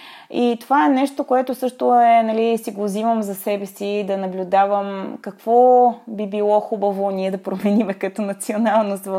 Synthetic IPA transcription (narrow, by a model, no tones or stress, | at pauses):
it̪ovaɛnɛʃt̪okoɛt̪osɤʃt̪oɛnɐlisiɡoziməmzɐsɛbɛsid̪ɐnɐblʲʊd̪avəmkɐkv̥ɔbibilˠɔxubəvoniɛd̪ɐpɾomɛnimɛkɐt̪ɔnɐt̪sionalˠnost̪v